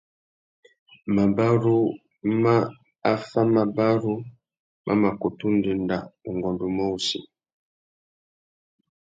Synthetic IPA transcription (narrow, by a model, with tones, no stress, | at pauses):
ma˨ba˦ɾu˦ | ma˦ | a˦fa˦ma˨ba˦ɾu˦ | mʔa̰˦ma˨ko˨tu˦ndi˨nda˨u˨ŋɡɔ˨ndu˨mo˦sḭ˨